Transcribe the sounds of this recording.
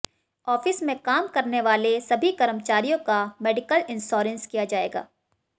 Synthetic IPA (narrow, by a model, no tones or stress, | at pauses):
ɔːfɪsmẽkaːmkɐɾneʋaːlesɐbʱikɐɾəmt͡ʃaːɾijõkameːɖɪkəlɪ̃nsɔːɾə̃nskijad͡ʒaːḛːɡa̰ː